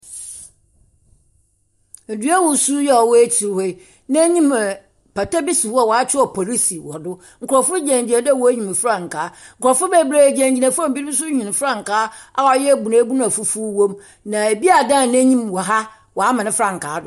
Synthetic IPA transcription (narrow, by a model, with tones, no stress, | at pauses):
e˨du˨˦a˦wʊ˨su˦jɛ˨ɔ˨wɔ˦e˦tʰi˨ɾhɛ˦˨ | nã˦ɲĩ˦mɛ˨ | pa˨ta˦bi˦si˨fɔ˦˨wɔ˨a˦t͡ɕʰᶣɪ˦ɔ˨pʰɔ˨ɾi˦si˨wɔ˨dʊ˦ | ŋ̩˨kʰʊ˨ɾɔ˨fʊ˦d͡ʑæ̃˨ɲd͡ʑi˨nã˨dwɔ˨˦ɲĩ˨m˨fɾã˨ŋ˨kʰaː˨˦ŋ̩˨kʊ˨ɔ˨fʊ˦bɛ˨bɾe˨d͡ʑæ̃˨ɲd͡ʑi˨nã˨fã˦˨bi˦ĩ˦s̬ʊ˦ɲĩ˨n˨fɾã˦˨ŋ̩˨kaː˦a˦˨˦jɛ˦˨bu˨nã˨˦bu˦ñ˦a˨fu˦fu˦wõ˦m | nã˨e˨bi˦a˨dã˦˨næ̃˦ɲĩ˦˨mwɔ˨ɦa˦ | wɔ˨a˦mã˨nɪ̃˦fɾã˦˨ŋ̩˨kʰaː˨˦dʊ˦